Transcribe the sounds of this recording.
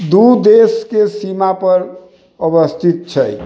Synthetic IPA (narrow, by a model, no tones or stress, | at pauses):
d̪ud̪eskesimapəɾ | əbəst̪ʰit̪̚t͡ʃʰəj